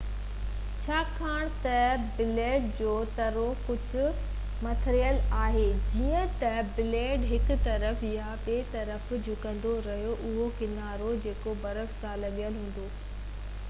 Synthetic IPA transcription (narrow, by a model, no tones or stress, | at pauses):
t͡ɕʰaːkʰaːɽ̃t̪ɐbɪleːɖ̚d͡ʑoːt̪ɐɾokʊd͡ʑʱʊ̆ | mɐt̪ʰɾijəlaːɦeːd͡ʑiːə̃t̪ɐbɪleːɖɦɪkʊt̪ɐɾəfɪjaɓeːt̪ɐɾəfd͡ʑʱʊkɐ̃nd̪oɾɐɦijoʔʊɦokɪnaːɾod͡ʑeːkobɐɾəfsalɐɠijəlɦũːn̆d̪oː